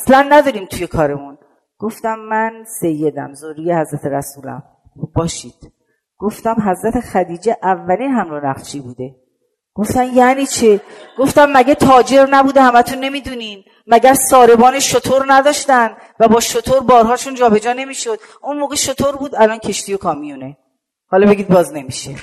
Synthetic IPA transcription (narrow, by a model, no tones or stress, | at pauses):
æslænːæd̪ɒːɾiːmt̪ʰuje̞kʰɒːɾe̞mun | ɡ̥o̞ft̪æmːænse̞jːe̞d̪æ̰mzoɾɾiːjehæzɾæt̪ʰe̞ɾæ̰suːlæ̰m | bbɒːʃiːd̪̥ | ɡ̥o̞ft̪æmɦæzɾæt̪ʰexæd̪iːd͡ʒeʔævːæliːnɦæmɾonæχʃʰiːbuːd̪e̞ | ɡ̥o̞ft̪æmjæniːt͡ʃʰeɡ̥o̞ft̪æmːæɡet̪ʰɒːd͡ʒe̞ɾnæbuːd̪ehæmæt̪ʰunːe̞miːd̪uːniːn | mæɟæɾsɒːɾe̞bɒːneʃot̪ʰoɾnæd̪ɒːʃt̪ænd̪ | væbɒːʃot̪ʰoɾbɒːɾɦɒːʃund͡ʒɒːbe̞d͡ʒɒːne̞miːʃo̞d̪̥ | unmoːɣeʃo̞t̪ʰoɾbuːd̪ælɒːncʰe̞ʃt̪iːjo̞kʰɒːmijune̞ | hɒːlɒbe̞ɡʲiːd̪̚bɒːzne̞miʃe